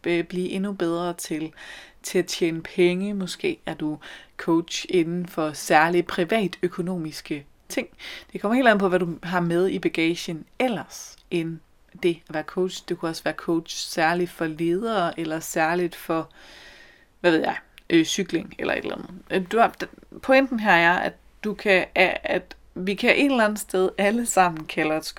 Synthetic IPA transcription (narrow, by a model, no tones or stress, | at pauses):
b̥liːʔe̝nub̥eð̞ˠʁɐt͡sʰe̝lt͡sʰe̝æt͡ɕʰjḛːnəpʰeŋəmɔ̽sɡ̥e̝̰ːæɐd̥ukʰoʊd̥ɕe̝nn̩fɒ̽sæɐlipʰʁiʋɛ̰ːd̥økʰo̝no̝̰ːmisɡ̥ə | t͡sʰe̝ŋ̰d̥e̝kʰɒ̽m̰ɐhḛlæn̩ˠpʰɒ̽ʋæɾ̥uɦɑ̈með̞ˠib̥æɡ̥ɛːɕənel̰ɐsʔen | d̥e̝æʋæːɐkʰoʊd̥ɕd̥e̝kʰuɒ̽sʋæːɐkʰoʊd̥ɕsæɐlid̥fɒ̽le̝ːð̞ˠɐːʔelɐsæɐlid̥fɒ̽ | ʋæʋeð̰ˠjɑ̈ɪʔøsyɡ̥le̝ŋelʔɐ̰e̝d̥læ̰nð̩ˠd̥ud̥pʰɒ̽en̰d̥n̩ɦæɐjɑ̈ɪæd̥ | d̥ukʰæææd̥ | ʋikʰæʔe̝d̥lænð̩ˠsd̥eð̞ˠæləsɑ̈m̰n̩kʰælɐs